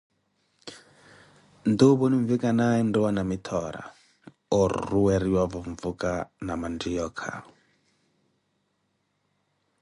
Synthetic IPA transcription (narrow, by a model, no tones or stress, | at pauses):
nd̪oβoniɱvikʼanaɛndɛwanamit̪ʰɔɾa̰ | ɔɾ̰ruwɛɾiwavɔɱvukʼanamand͡ʒijɔːkʰa̰